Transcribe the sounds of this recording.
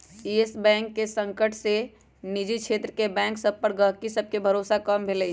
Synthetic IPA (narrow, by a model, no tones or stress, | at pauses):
iːesbɛ̃ːŋkːesə̃ŋkəʈse | nid͡ʒikʃʰeːt̪ɾəkebɛ̃ːŋksɐb̚pəɾɡəɦkisɐb̚kebʱɐɾoːsakəmbʱeləi